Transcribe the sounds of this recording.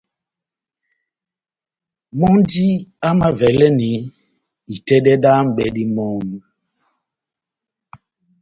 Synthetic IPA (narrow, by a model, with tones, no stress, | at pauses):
mɔ˦ndi˦a˦ma˦vɛ˨lɛ˦ni˨˦ | i˨tɛ˦ɗɛ˦ɗa˦m̩˨ɓɛ˦ɗi˦mɔ˦nu˦